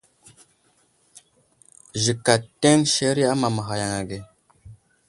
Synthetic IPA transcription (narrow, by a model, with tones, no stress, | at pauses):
ʒi˨ka˨tːe˦ŋʃe˦ɾi˦a˦ma˨ma˨ɦa˨ja˨ŋa˨ɡe˨